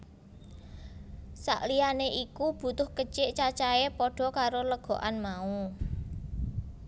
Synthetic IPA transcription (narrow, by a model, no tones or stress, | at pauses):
sa̰ʔlijaneʔikub̥ṳt̪ʊhkət͡ʃɪʔt͡ʃat͡ʃaepɔɖ̥ɔ̤kaɾoləɡ̥ɔ̤ʔanmau